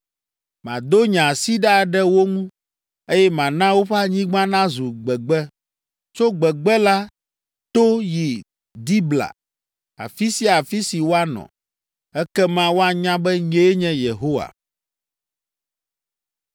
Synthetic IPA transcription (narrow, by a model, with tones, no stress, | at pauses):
mã̰˨d̪o˦ɲã˨si˦ɖa˦˨ɖɛ˦wo˦ŋũ˦ | e˦jɛ˦mã˨nã˦wo˦ɸa˦ɲĩ˦ɡ͡bã˦nã˦zu˨ɡ͡bɛ˨ɡ͡bɛ˦ | t͡ʃo˦ɡ͡bɛ˨ɡ͡bɛ˦la˦ | t̪o˦ji˨ | d̪i˦bla̰˨ | a̰˨fi˦si˦a˨fi˦si˨wo˦a˦nɔ̰̃˨ | ɛ˦kɛ˦mã˦wo˦a˨ɲã˦bɛ˦ɲe˦e˦ɲɛ̃˦je˨ɦo˦wa̰˨